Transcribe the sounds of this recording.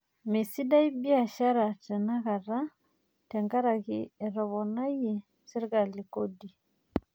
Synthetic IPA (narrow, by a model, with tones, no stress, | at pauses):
me˨si˦da˦i˦bi˦a˨ʃa˦ɾa˨tɛ˨na˦ɣa˨ɾa˦ | tɛ˨ŋɡa˦ɾa˨ɣi˨ɛ˨ɾɔ˨βɔ˨na˦ji˨ | si˦ɾɣa˨li˨ko˦di˨